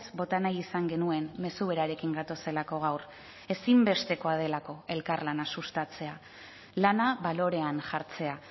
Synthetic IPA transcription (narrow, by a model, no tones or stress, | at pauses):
zbo̞t̪anajisaŋɡe̞nue̞mːe̞suβ̞e̞ɾaɾe̞kiŋɡat̪o̞se̞lako̞ɣ̞awr | e̞simbe̞st̪e̞ko̞að̞e̞lako̞e̞lkaɾlanasust̪at͡se̞a | lanaβalo̞ɾe̞anʝaɾt͡se̞a